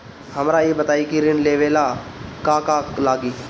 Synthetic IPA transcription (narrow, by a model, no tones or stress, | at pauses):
həmɾaːiːbət̪aːiːkiɾɪnleːʋeːlaːkaːkaːklaːɡiː